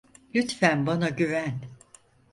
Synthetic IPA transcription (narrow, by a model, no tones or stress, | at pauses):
lʲyt̪fænbanaɟyvæn